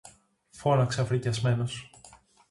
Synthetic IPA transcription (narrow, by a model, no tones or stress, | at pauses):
fo̞nɐkseɐfɾicɐzme̞no̞s